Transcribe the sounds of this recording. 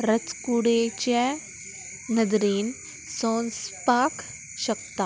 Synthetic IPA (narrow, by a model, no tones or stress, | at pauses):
ɾɐt͡skuɽet͡ɕɛ | nɐd̪ɾiːn | soːnspaːk | ɕɐk̚t̪a